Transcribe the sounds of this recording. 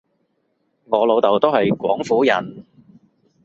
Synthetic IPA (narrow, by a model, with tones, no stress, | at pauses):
ŋɔː˨˧lo˨˧wt̪ɐ˨˩wt̪o˥whɐ˨jkʷɔ̰ː˨˥ŋfuː˨˥jɐ̰˨˩n